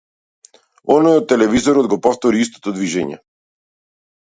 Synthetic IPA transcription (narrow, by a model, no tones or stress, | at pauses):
ɔnɔjɔt̪ːɛlɛvizɔɾɔd̪ɡɔpɔft̪ɔɾiis̬t̪ɔ̥t̪ɔd̪viʒɛɲɛ̰